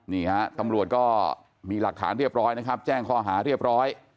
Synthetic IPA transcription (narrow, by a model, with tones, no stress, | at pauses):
niː˥˩ha˦˥t̪a˧mɾu˨˩ət̪̚kɔː˥˩ | miː˧la˨˩k̚t̪ʰa̰ː˩˦nɾi˥˩əp̚ɾɔː˦˥jna˦˥kʰa˦˥p̚t͡ɕɛː˥˩ŋkʰɔː˥˩ɦaː˩˦ɾi˥˩əp̚ɾɔː˦˥j